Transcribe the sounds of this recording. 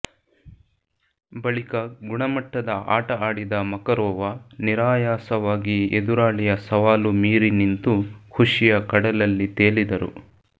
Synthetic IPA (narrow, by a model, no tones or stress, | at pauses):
bɐɭikɐɡuɳɐmɐʈːɐd̪ɐa̰ːʈɐaːɽid̪ɐmɐkɐɾɔːʋɐniɾaːjaːsɐʋaːɡied̪uɾaːɭijɐsɐʋaːlumiːɾinint̪ukʰuʂijɐkɐɽɐlɐlːit̪eːɭid̪ɐɾṵ